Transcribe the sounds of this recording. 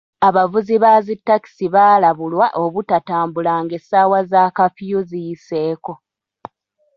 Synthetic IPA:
aβavuziβazitːaki̥siβaːlaβulwaʔoβutataːmbulaːŋɡe̞saːwazaːkafijuzijise̞ːko̞

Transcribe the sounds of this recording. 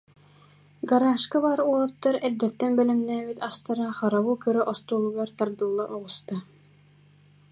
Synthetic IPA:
ɡaɾaːʃkabaːɾuɔlˠat̪ːaɾɛɾd̪ɛt̪ːɛnbɛlɛmnæːbit̪ast̪aɾaχaɾaβukœɾœʔɔst̪uːlˠuɡaɾt̪aɾd̪ɯlˠːaʔɔʁust̪a

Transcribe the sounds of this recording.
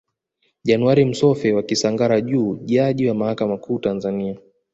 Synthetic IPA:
ʄanuwaɾim̩sɔfɛwakisaŋɡaɾaʄuːʄaʄiwamahakamakʰuːtanzania

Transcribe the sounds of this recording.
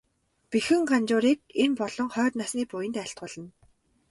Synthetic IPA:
pixɘ̆ŋɢant͡ɕʊːɾiːk̚empɔɮɞ̆ŋχœːt̪nasniːpʊjɘ̆nt̪æɬt̪ɢʊːɮə̆n

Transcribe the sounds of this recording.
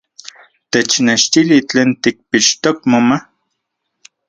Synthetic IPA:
t̪et͡ʃneʃt̪ilit͡ɬeːnt̪ik̚piʃt̪ok̚moma

